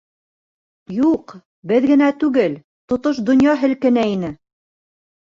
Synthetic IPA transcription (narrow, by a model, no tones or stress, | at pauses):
juq | bɘðɡɘ̆næt̪ʉɡɘl | t̪ŏt̪oʃd̪ŏnjɑɦɘ̆lkɘ̆næinɘ